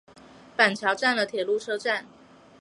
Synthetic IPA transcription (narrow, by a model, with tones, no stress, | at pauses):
pa˨˩nt͡ɕʰjɑ˧˥ʊʈ͡ʂa˥˩nlə˩t̪ʰjɛ˨˩lu˥˧ʈ͡ʂʰɤ˥ʈ͡ʂa˥˩n